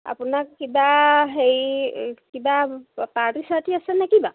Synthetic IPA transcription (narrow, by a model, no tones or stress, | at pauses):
a̰punakkibaɦejkibapaɾisatiasɛnɛkiba